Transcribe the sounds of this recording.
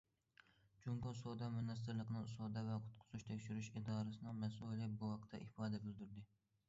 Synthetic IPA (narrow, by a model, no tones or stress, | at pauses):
d͡ʒuŋɡosod̪ɑmynɑs̬t̪ɪɾlˠəqənɨŋsoːd̪ɛvɛqʰʊ̥t̪̚qʰʊ̥zuʃt̪ʰekʲʃyɾyʃid̪ɑːɾɨsɨnɨŋmɛsulʲɛbuhɑqt̪ʰːɛ̰ʔifɑːd̪ɛbɪld̪yɾd̪ɪ